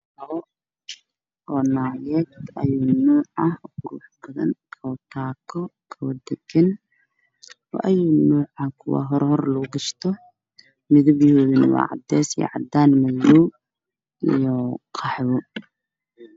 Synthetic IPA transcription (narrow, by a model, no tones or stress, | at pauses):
ɐɣɔ | ʔɔːnaːjɛːt̪ɐjuːnuːʕɐhkʊɾṵːħbɐðɐ̰ŋkʰɐt̪ʰaːkʰɔkʰɐwɐd̪ɛɡɛn | ɔ̰ʔɐjuːnuːʕɐkʰʊwɑ̰ɦɔɾhɔrlɐʊɡɐʃt̪ʰɔ | mɪðʊbjʊhuːβɪnwɑ̰ːʕɑ̰d̪ɛːsjɛ̰ʕɑd̪aːnmɐjuː | ʔijɔqʰɑħβʊ